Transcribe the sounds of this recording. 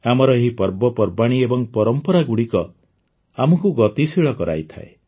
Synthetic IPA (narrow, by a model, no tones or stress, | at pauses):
amɔɾɔeɦipɔɾbɔpɔɾbaɽ̃iebɔŋpɔɾɔmpɔɾaɡuɽikɔ | amɔkuɡɔt̪isiɭɔkɔɾa̰jt̪ʰa̰ḛ